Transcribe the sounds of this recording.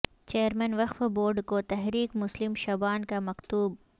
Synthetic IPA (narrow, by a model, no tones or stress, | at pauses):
t͡ʃeːəɾmɛnʋɐqfboːɾɖkot̪ɛɦɾiːkmʊslɪmʃɐbaːnkamɐkt̪uːb̚